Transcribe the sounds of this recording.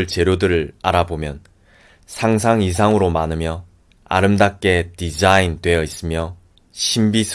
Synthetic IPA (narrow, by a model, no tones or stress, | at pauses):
ɭt͡ɕe̞ɾjodɯɾɯɭa̰ɾabomjʌn | sʰaŋs̬ʰaŋis̬ʰaŋɯɾomanɯmjʌ | a̰ɾɯmdak̚k͈e̞tid͡ʑaindwe̞jʌis͈ɯmjʌ | ɕʰimbisʰ